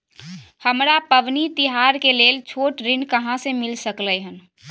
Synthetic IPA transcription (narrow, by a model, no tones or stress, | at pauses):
həmɾapəʋnit̪iɦaɾkelelt͡ʃʰoʈɾɪnkəɦãsemɪlsəkləjɦən